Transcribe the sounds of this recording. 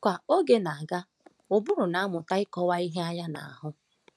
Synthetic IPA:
kʷa˨o˦ɡe˦na˨a˨ɡa˦ | ʊ˨bʊ˦ɾʊ˨na˨˦mʊ˨ta˦ɪ˦kɔ˦wa˦i˦ɦe˦a˦ja˦na̰˨a˨ɦʊ˦

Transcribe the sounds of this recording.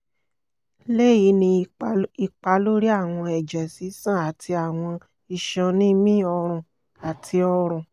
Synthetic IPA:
le˦˨ji˧˦nĩ˧i˧k͡pa˧˦lo˦ɾi˦a˦˨w̃ɔ̃˧ɛ˨d͡ʒɛ˨si˨˦sã˦˨a˨tʰi˧a˨w̃ɔ̃˧ | i˧ʃɔ̃˧nĩ˦mĩ˦ɔ˧ɾ̃ũ˨ | a˨tʰi˧ɔ˧ɾ̃ũ˨

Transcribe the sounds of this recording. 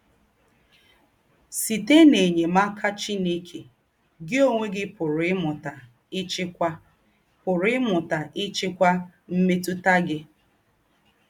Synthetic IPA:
si˨te˦ne˨ɲe˨ma˦kʰa˦t͡ʃi˦ne˦kʰe˨ | ɡɪ˦o˦ŋʷe˦ɡɪ˦pʊ˨ɾʊ˨ɪ˦mʊ˨ta˨ | ɪ˦t͡ʃɪ˦kʷa˦ | pʊ˨ɾɪ˦mʊ˨ta˨ʔɪ˦t͡ʃɪ˦kʷa˦m̩˦me˦tu˦ta˦ɡɪ˦

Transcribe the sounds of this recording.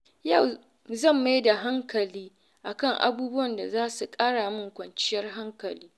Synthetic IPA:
ja˦˨w | zɐ˦˨mːa˦jda˨ɦa˦ŋkɐ˨liː˦ | ʔa˨kɐ˦˨ŋʔa̰˨buː˦bʊ˦wɐ˨nda˨zaː˦su˨kʼaː˦ɽaː˨mʊ˦ŋkʷɐ˨nt͡ʃɪ˦jɐ˦rɦa˦ŋkɐ˨liː˦

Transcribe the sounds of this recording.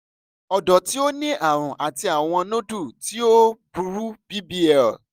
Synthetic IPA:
ɔ˨dɔ˨ti˨˦o˦nĩ˦ʔa˨ɾ̃ũ˨ʔa˨ti˧a˨w̃ɔ̃˧nõ˦du˦˨ti˦o˦bu˧ɾu˦bi˦bi˦ɛ˨

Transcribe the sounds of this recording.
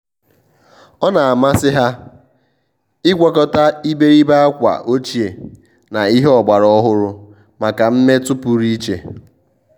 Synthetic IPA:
ɔ˦na˨a˨ma˦sɪ˦ɦa˦ | ɪ˦ɡʷɔ˦kɔ˦ta˦i˦be˦ɾi˦ba˦a˦kʷa̰˨ʔo˦t͡ʃi˨e˨ | na˨i˦ɦe˦ɔ˨ɡ͡ba˨ɾɔ˦ɦʊ˦ɾʊ˦ | ma˨ka˨m̩˦me˦tʊ˦pʊ˦ɾi˦t͡ʃḛ˨

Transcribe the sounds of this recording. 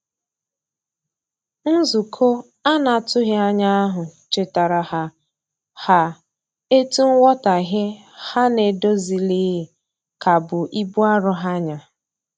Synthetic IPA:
n̩˦zu˨kʰo˦ | a˦na˨tʊ˦ɣɪ˦a˦ɲa˦a˦ɦʊ˨t͡ʃe˨ta˨ɾa˨ha˨ | ha˨ | e˦tu˦ŋ̩˦wɔ˦ta˨ɦe˦ | ha˦ne˨do˦zi˨li˦˨ | ka˨bʊ˨ʔi˦bu˦a˦ɾʊ˨ɦa˦ɲa˨

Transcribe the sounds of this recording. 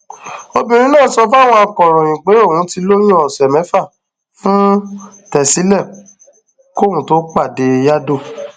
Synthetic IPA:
o˧bĩ˨ɾ̃ĩ˦nãː˦˨˦sɔ˧fa˦˨w̃ɔ̃˧a˧kɔ˨ɾ̃ɔ̃˨j̃ĩ˨k͡pe˨˦o˦˨wũ˨˦ti˧lo˦j̃ĩ˦ɔ˨sɛ˨mɛ̃˨˦fa˦˨ | fũ˦ | tɛ˨si˨˦lɛ˦˨ | ko˦˨wũ˨˦to˦k͡pa˦˨de˧ja˦do˦˨

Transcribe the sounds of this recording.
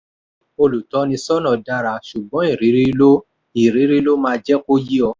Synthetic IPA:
o˧lu˨tɔ˨˦nĩ˧sɔ˦nɔ̃˧˨da˧ɾa˧ʃu˨bɔ̃˨˦i˦˨ɾi˨˦ɾi˦lo˦ | i˨ɾi˨˦ɾi˦lo˦mãː˧d͡ʒɛ˦ko˦ji˦ɔ˧˦

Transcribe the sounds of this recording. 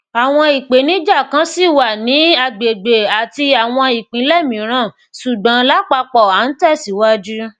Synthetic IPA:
a˨w̃ɔ̃˧i˨k͡pe˨˦nĩ˨˦d͡ʒa˦˨kã˨˦si˦˨wa˨nĩ˨˦a˧˨ɡ͡be˨ɡ͡be˨a˨ti˧a˨w̃ɔ̃˧i˨k͡pĩ˨˦lɛ˦˨mĩ˨˦ɾ̃ã˦˨ | su˨ɡ͡bã˨˦la˦k͡pa˧k͡pɔ˨a˨˦n̩˦tɛ˦˨si˨˦wa˦d͡ʒu˦

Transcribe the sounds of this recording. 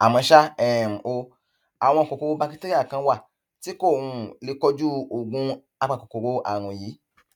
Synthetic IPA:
a˨mɔ̃˧ʃa˦ɛ˨m̩˨o˧ | a˨w̃ɔ̃˧ɔ˨ko˨ko˨ɾo˦ba˧ki˦te˦ɾi˦a˦˨kã˧wa˦˨ | ti˨˦ko˦˨wũ˧le˧kɔ˦d͡ʒu˦o˨ɡũ˧˦ | a˧k͡pa˧ko˨ko˨ɾo˦ʔa̰˦˨w̃ɔ̃˧˨jiː˨˦

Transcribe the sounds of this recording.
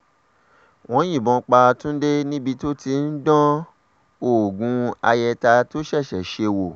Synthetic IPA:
w̃ɔ̃˦j̃ĩ˦˨bɔ̃˧k͡pa˧tũ˦de˦nĩ˦bi˧to˦ti˧n̩˦dɔ̃˦ | o˦˨ɡũ˨˧a̰˧jɛ˧ta˧to˦ʃɛ˦˨ʃɛ˨ʃe˧wo˨

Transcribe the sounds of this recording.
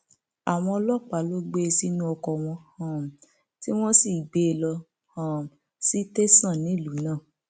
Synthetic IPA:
a˨w̃ɔ̃˧lɔ˦k͡pa˨˦lo˦ɡ͡be˦˧si˦nũ˦ɔ˧kɔ˧˨w̃ɔ̃˧hã˨m̩˨ | ti˦w̃ɔ̃˦si˦˨ɡ͡be˨˦˨lɔ˧ | hã˨m˨ | si˦te˦sã˦˨nĩ˨˦˨lu˨˦nãː˦˨

